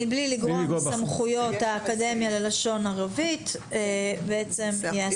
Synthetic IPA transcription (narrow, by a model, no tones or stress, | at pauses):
bliliɡʁosamχujo̞t̪haːkade̞mjalelaʃo̞naʁavit̪ | ebeet͡se̞mjea